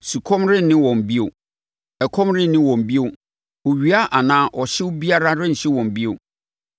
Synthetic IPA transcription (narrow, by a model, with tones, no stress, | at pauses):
su˨kʰɔ̃˦mɾɪ˦nɪ̃˦wɔ̃˨m˨bi˦o˨ | ɛ˨kʰɔ̃˦mɾɪ˦nɪ̃˦wɔ̃˨m˨bi˦o˨ | o˨ɥi˨a˦ʔa˨nãː˦ʔɔ˨ɕɪ˦wbi˦a˦ɾa˦ɾɪ˦ɲ̩˨ɕɪ˦wɔ̃˨m˨bi˦o˨